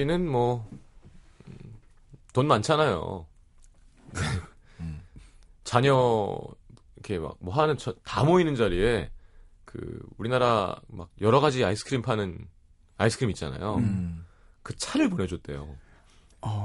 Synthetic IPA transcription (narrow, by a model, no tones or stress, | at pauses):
inɯnmwʌ | tonmant͡ɕʰanajo̰ | kɯ | t͡ɕaɲʌ | ikʰe̞ma̰k̚mwʌɦanɯnt͡ɕʌtamoinɯnd͡ʑaɾie̞ | kɯ̰uɾinaɾa̰ma̰k̚jʌɾʌɣad͡ʑiaisʰɯ̥kʰɯɾimpʰanɯn | a̰isʰɯkʰɾimitt͡ɕ͈a̰na̰jo | kɯt͡ɕʰaɾɯɭponɦʌd͡ʑot͈e̞̰jo̰